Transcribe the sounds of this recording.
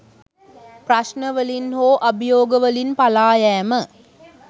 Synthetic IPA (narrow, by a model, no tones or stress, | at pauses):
prɐʃnəʋəlinɦoːʔɐbʱijoːɡəʋəlinpalaːjæːmə